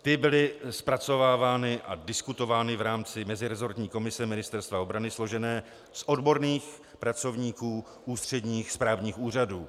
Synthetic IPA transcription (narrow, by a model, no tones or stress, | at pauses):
t̪ɪbɪlɪspɾat͡so̞vaːvaːnɪʔa̰dɪskut̪o̞vaːnɪvɾaːmt͡sɪmɛzɪɾɛzo̞ɾt̪ɲiːko̞mɪsɛmɪnɪst̪ɛɾst̪vao̞bɾanɪslo̞ʒɛnɛː | sʔo̞dbo̞ɾniːx | pɾat͡so̞vɲiːkuː | ʔuːst̪r̝̥ɛdɲiːxspɾaːvɲiːxuːraduː